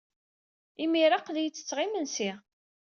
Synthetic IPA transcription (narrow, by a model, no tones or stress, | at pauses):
imiɾaqðijt͡sːə̥t͡sːʁimənsi